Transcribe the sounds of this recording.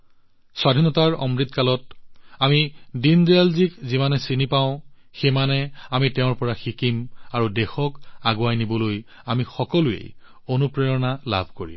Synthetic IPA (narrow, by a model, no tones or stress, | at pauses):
swadʱinɔtaɹɔ̰mɹit̪kalɔt̚amidindialzikzimanɛsinipãʊ̃ | xemanɛamitɛʊ̃ɹpɔɹaxikimaɹudɛxɔkaɡoajnibɔloj | amixɔkɔluḛj | onupɹejɔnala̰bʱkoɹḭm